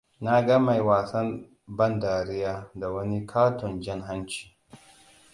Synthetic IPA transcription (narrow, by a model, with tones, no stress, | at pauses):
na˦ɡa˦ma˨jwaː˨sɐ˦m | bɐ˦ndaː˨ɾɪ˦jaː˦da˨wɐ˦ni˦kʰaː˦tɔ˨nd͡ʒɪ˦ŋɦa˦nt͡ʃi̥ː˨